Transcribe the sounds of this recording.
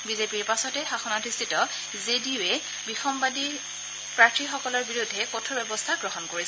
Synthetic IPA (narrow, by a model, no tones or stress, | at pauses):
bizepiɹpasɔtɛxaxɔnatʰistʰitɔ | zediɛ | bixɔmbadi | pɹatɹixɔkɔlɔɹbiɹudʱːɛkɔtʰɔbɛbɔstʰaɡɹɔɦɔnkoɹisɛ